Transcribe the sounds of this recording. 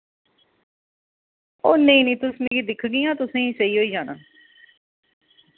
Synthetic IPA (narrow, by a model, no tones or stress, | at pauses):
oːneĩːnĩːt̪ʊsnẽːkid̪ɪkʰɡĩːãːt̪ʊsẽːiːsəiːɦoːiːd͡ʒaːnə̰ːn